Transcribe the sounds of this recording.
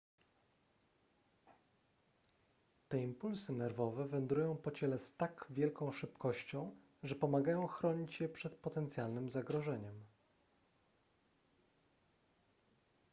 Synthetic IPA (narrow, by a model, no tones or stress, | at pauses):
t̪ɛimpulsɘnɛɾvɔvɛvɛnd̪ɾujɔ̃w̃pɔt͡ɕɛlɛst̪akvʲjɛlkɔ̃w̃ʂɘpkʰɔɕt͡ɕɔ̃w̃ | ʐɛpɔmaɡajɔ̃w̃xɾɔɲit͡ɕjɛpʂɛt̪̚pɔt̪ɛnt̪sʲjalnɘmzaɡɾɔʐɛɲɛm